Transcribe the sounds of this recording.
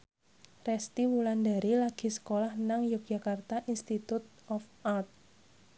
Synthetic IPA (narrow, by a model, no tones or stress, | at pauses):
rɛst̪iwulandaɾilaɡ̥i̤sə̥kolahnaŋjok̚ʒ̥a̤kart̪aʔinst̪it̪ut̪̚ɔfʔart̪̚